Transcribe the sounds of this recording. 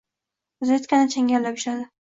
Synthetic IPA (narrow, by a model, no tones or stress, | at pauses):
ʊzajot̪kʲanɪt͡ʃʰaŋʲalːapɪʃlad̪ɪ